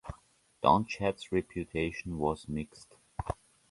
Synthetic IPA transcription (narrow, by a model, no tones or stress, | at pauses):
d̥ã̰nt͡ʃætsɹɛpʰjutʰeɪʃə̃n̩wɔzmɪkst